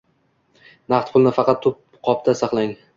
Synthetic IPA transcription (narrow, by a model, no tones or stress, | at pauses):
nɑχt̪̚pʰʊlˠnɪfɑqɑt̪ʰːʊp̚ | qʰɒp̚t̪ʰasɑqlˠaŋ